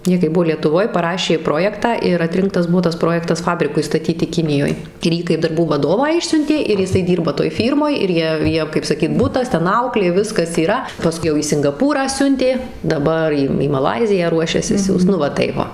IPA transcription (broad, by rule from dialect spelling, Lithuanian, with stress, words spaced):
ˈjiɛ kɐɪ ˈbʊʋoː lʲiɛtʊˈʋoːj pɐˈrɑːʃʲeː ˈproːjɛktɑː ɪr ɐtʲˈrʲɪŋktɐs ˈbuɔ tɐs ˈproːjɛktɐs ˈfɑːbʲrʲɪkʊɪ stɐˈtʲiːtʲɪ ˈkʲɪnʲɪjoːj ɪr ˈjiː kɐɪp dɐrˈbuː ʋɐˈdoːʋɑː ˈɪʃʲsʲʊnʲtʲeː ɪr jɪˈsɐɪ ˈdʲiːrbɐ toːj ˈfʲiːrmoːj ɪr ˈjiɛ ˈjiɛm kɐɪp sɐˈkʲiːt ˈbʊtɐs ˈtʲɛn ˈɐʊklʲeː ˈʋʲɪskɐs iːˈrɐ pɐˈskʊɪ jɛʊ iː sʲɪŋɡɐˈpuːrɑː ˈsʲʊnʲtʲeː dɐˈbɐr iː iː mɐˈlˠɐɪzʲɪjæː ˈruɔʃʲɛsʲɪ ˈsʲuːst ˈnʊ ʋɐ ˈtɐɪp ʋɐ